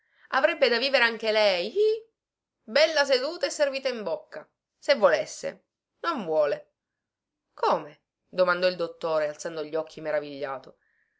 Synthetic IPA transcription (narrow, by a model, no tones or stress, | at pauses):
avɾɛbːed̪aviːveɾeaŋk̟elɛj | bɛlːas̬ed̪uːt̪aesːerviːt̪aimbokːa | sevːolesːḛ | noɱvwɔːle | koːme | d̪omand̪ɔild̪ot̪ːoːɾealtsand̪oʎːɔkʰːimeɾaviʎːaːt̪o